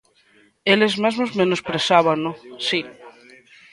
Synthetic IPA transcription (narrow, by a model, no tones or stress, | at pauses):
elezmazmozmenospɾesaβanosi